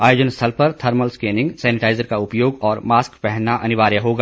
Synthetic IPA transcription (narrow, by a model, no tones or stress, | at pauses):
aːjoːd͡ʒənst̪ʰɐlpɐɾt̪ʰɐɾməlskeːnɪ̃ŋɡsɛːnɪʈaːɪzəɾkaʊpjoːɡɔːɾmaːskpɛɦnaʔɐnɪʋaːɾjaɦoːɡaː